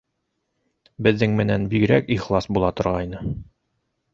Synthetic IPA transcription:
bɘ̆ðːɘŋmɘ̆nænbiɡ̆ɾækiχlˠɑsbulˠɑt̪ŏɾʁɑjnɤ

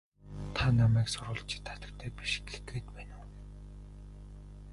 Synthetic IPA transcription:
t̪ʰanaːmæːksʊɾʊːɮt͡ɕʰɪ̥̆t̪ʰːḁt̪ə̆k̚t̪ʰæːpi̥ʃ̆ɡe̥xɡeːt̪pæːnŭː

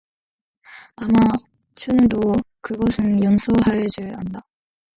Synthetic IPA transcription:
ama | t͡ɕʰundokɯɡʌsʰɯnjʌnsʰoɦajʌd͡ʑɯɭa̰nda

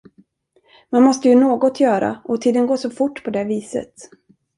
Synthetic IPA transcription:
manmɔst̪əjɵnoːɡɔt̪ʰjœːɾa̰ɔt̪ʰiːd̪ənɡoːʂɔfʊʈːpʰɔd̪ɛviːsə̰t̪

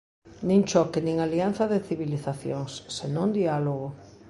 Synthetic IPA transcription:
nĩŋt͡ʃɔkɪnĩŋalianθɐðɪθiβiliθaθjoŋsːenõnd̪ialoɣ̞o

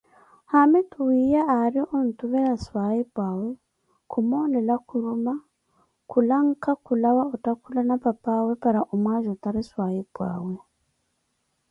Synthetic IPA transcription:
hametuwijaːɾiontuβɛɾaswajibwaːwe | kʰumonɛlakʰuɾuma | kulaŋ̩kakulawaotakulanapapawepaɾaʔomwaːʒotaɾiswajibwa̰ːwe

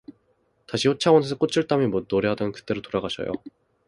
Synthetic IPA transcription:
taɕʰiɸot͡ɕʰawʌnesʰʌk͈ot͡ɕʰuɭt͈amimoːoɾeɦadʌnnkɯ̥t͈e̞ɾotoɾaɡaɕʰʌ̰jo̰

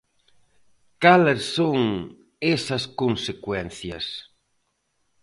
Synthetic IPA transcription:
kalesːoŋ | esɐskonsekwɛn̟θjɐ̰s

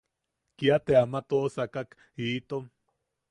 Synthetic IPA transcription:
kiat̪eamat̪osakak | iːt̪om

